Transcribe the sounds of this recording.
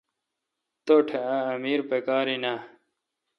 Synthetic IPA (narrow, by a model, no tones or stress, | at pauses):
t̪oʈʰeaɐmiːɾpekaːɾina